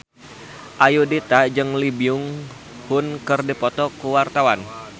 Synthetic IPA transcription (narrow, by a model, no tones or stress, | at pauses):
ʔajudit̪ad͡ʒɨŋlibiʊŋ | hʊnkɨrdipɔt̪ɔkəwart̪awan